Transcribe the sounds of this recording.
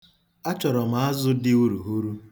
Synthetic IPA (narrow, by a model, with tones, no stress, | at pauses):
a˦t͡ʃɔ˨ɾɔ˨m̩˨a˦zʊ˦dɪ˦u˦ɾu˨ɦu˦ɾu˦